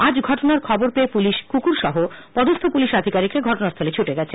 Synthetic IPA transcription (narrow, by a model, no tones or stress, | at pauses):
ad͡ʑɡʱɔʈonaɾkʰɔboɾpeepuliʃkukuɾʃɔɦo | pɔd̪ost̪ʰopuliʃad̪ʱikaɾikɾeɡʱɔʈonast̪ʰolet͡ɕʰuʈeɡɛt͡ɕʰe